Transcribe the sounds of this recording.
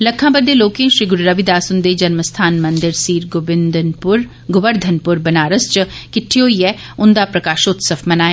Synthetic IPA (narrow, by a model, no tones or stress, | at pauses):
ləkʰːãːbəd̪eːloːkẽːʃɾiːɡʊɾɾəʋid̪aːsʊnd̪eːd͡ʒənməst̪ʰaːnmənd̪ɪɾsiːɾɡʊbɪnd̪pʊɾ | ɡʊbəɾd̪ʱənpʊɾbənaːɾəst͡ʃəkɪʈʰːioːiːɛː | ʊnd̪aːpɾəkaːʃot̪səfʰmənaːjaː